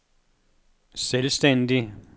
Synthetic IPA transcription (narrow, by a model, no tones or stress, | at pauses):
selsd̥en̰d̥i